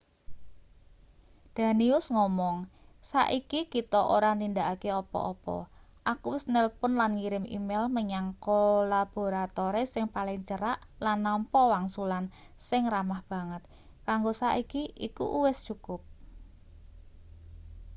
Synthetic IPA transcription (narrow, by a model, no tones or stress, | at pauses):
d̪̥ä̤niʊsŋɔmɔŋsa̰ʔikikit̪ɔʔo̰ɾanind̪aʔakeɔpɔ̰ʔɔpɔ̰ | ʔakuwɪsnəlpʊnlanŋiɾɪmḭmelməɲaŋkolab̥o̤ɾat̪oɾesɪŋpalɪŋt͡ʃəɾaʔlanːɔmpɔwaŋsulan | sɪŋramahb̥a̤ŋət̪̚ | kaŋɡosa̰ʔikiʔikṵʔuwɪst͡ʃukʊp̚